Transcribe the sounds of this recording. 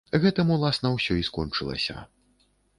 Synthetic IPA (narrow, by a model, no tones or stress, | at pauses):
ɣɛt̪ɨmulˠasnɐwsʲɔiskɔnt͡ʂɨlˠɐ̰sʲɐ̰